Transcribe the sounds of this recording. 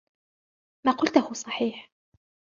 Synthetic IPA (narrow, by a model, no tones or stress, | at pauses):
maːqʊlt̪ʊhʊsˤɑħiːħ